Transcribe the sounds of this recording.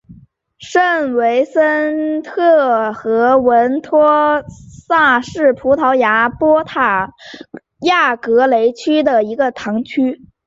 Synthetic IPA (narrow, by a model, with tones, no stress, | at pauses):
ʂə˥˩nwe˧˥ɪsə˥nt̪ʰɤ˥˩xɤ˧˥wə˧˥nt̪ʰwɔ˥sa˥˧ʂɻ̩˥˩pʰu˧˥t̪ʰɑ˧˥ʊja˧˥pwɔ˥t̪ʰa˨˩ | ja˥˩kɤ˧˥le˧˥ɪt͡ɕʰy˥d̪ə˨˩i˧˥ɡə˧t̪ʰɑ˧˥ŋt͡ɕʰy˥